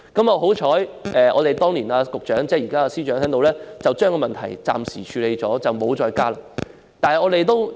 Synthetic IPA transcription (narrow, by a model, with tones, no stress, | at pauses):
kɐ˨˥mɔː˧ɦo˨˥wt͡ʃʰɔː˨˥jʔɛː˨ʔɔː˨˧t̪e˨jt̪ɔː˥ŋliː˨˩naː˧kʊ˨k̚t͡ʃœː˨˥ŋt͡sɛː˥jiː˨˩kaː˥a˧siː˥t͡ʃœː˨˥ŋt̪ʰɛː˨˥ŋt̪o˧wlɛː˥t͡sɐ˨wt͡ʃœː˥ŋkɔː˧mɐ˨nt̪ʰɐ˨˩jt͡sa̰ː˨msḭː˨˩t͡ʃʰyː˨˧le˨˧jt͡sɔː˨˥t͡sɐ˨wmo˨˧wt͡sɔː˧jkaː˥laː˧˥ | t̪aː˨nhɐ˨jŋɔː˨˧t̪e˨jt̪o˥w